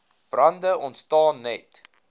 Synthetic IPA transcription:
b̥rɐndəʔɔntstɑːnːɛt

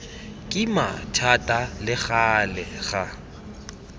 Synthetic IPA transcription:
kʼɪma̰tʰatʼalɪɣalɛɣa

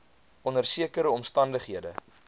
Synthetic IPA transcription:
ʔɔnərsiəkəɾəɔmstɐndəχɦiədə

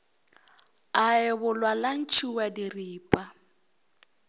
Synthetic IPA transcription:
aɪbʊlwalan̩t͡ʃʰuwadiriːpʼa

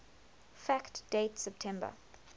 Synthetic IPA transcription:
fæktd̥etsɛp̚tʰɛ̃mbə̰

